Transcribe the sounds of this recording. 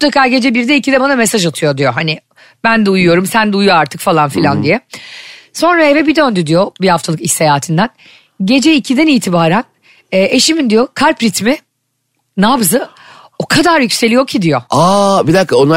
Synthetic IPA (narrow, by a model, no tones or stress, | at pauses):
t̪ʰakaːɟe̞d͡ʒɛbiɾd̪ɛicʰid̪ɛbanamesaʒat̪ʰɯjo̞d̪ijo̞ɦanɪ | bænd̪ɛujujo̞ɾumsænd̪ɛujjoaɾt̪ʰɯkfalˠanfilʲand̪ijɛ | so̞nɾaevɛbid̪ønd̪yd̪ijo̞bihaft̪ʰalˠɯkisejaːt̪ʰind̪æn | ɟe̞d͡ʒɛicʰid̪ɛniːt̪ʰibaːɾænː | ʔe̞ʃimind̪ijo̞kʰaɾpɾit̪mi | nabzɯ | okʰad̪aɾjycʲse̞lʲijocʰid̪ijo̞abid̪akːaona